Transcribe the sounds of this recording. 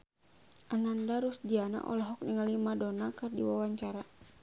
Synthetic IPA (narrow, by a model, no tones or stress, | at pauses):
ʔanandaɾusd͡ʒiana̰ʔɔ̰lɔɦɔk̚niŋalimadɔnakɨrdḭwawaɲt͡ʃaɾa